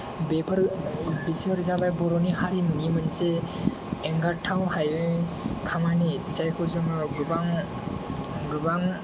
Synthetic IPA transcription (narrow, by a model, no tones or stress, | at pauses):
bepʰaɾbisɔɾzabajbɔɾɔnihaɾimɯŋimɯnseː | ŋɡatʰawhajɯjkʰamanizajkʰɔzɔmɯɡɯbaŋ | ɡɯbaŋ